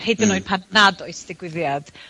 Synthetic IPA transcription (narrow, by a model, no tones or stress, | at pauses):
hejdənoːɨd̚pʰadnadɔɨsd̥ɪɡwɪðjad̥